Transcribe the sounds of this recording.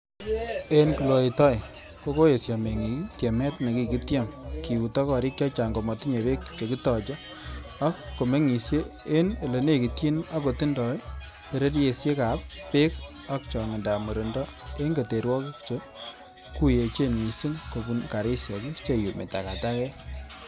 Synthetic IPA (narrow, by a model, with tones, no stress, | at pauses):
e˦nki˨lo˨e˨tɔ˦j | ko˦ko˦je˨sja˨me˨ŋi˨ki˦tje˨mɛ˦tna˨ki˨ki˦tje˦mki˨u˨tɔ˦kɔ˨ɾi˦k̚t͡ʃɔ˦t͡ʃa˨ŋɡo˨mɔ˨ti˦ɲe˨be˦kt͡ʃo˨ki˦tɔ˨t͡ʃɔ˦ | a˦kːo˨me˦ŋi˨sje˦ | e˦ne˨le˨ne˦ki˨ti˦na˦ko˨ti˦ndɔ˨j | pe˨ɾe˦ɾje˨sje˦ka˨pːe˦k̚ | a˦k̚t͡ʃɔ˨ŋe˨nda˨mu˨ɾe˨ndɔ˦ | e˦nke˨te˨ɾwɔ˦kkt͡ʃo˦ | ku˦je˨t͡ʃe˦nwi˨si˦ŋko˨bu˨nka˨ɾi˦sja˨ki˦st͡ʃe˦ju˨mḛ˨ta̰˨ka˨ta˦kɛ˦